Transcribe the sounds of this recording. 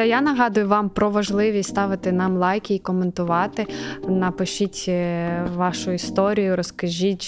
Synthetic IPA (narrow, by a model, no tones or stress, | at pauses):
janɐɦɑd̪ʊjʊʋɑmpɾɔʋɐʒlˠɪʋʲist̪ɑʋɪt̪ɪnɑmlˠɑjkʲiːkɔment̪ʊʋɑt̪ɪnɐpɪʃitʲ | ʋɑʃʊist̪ɔɾʲijʊɾɔskɐʒʲitʲ